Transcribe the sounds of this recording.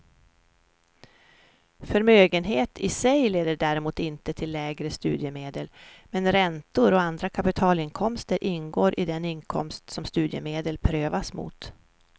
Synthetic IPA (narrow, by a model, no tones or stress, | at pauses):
fœɾmøːɡənɦeːt̪ʰɪsɛjleːd̪əɖæɾɪmuːt̪ɪnt̪ət̪ʰɪlːɛːɡɾəst̪ʉːd̪jəmeːd̪əlmɛnɾɛnt̪ʊɾɔand̪ɾakʰapɪt̪ʰɑːlɪnkʰɔmst̪əɾʔɪnːɡoːɾʔɪd̪ɛnɪnkʰɔ̰mst̪sɔmst̪ʉ̟ːd̪jə̰meːd̪əlpʰɾøːvasmṵːt̪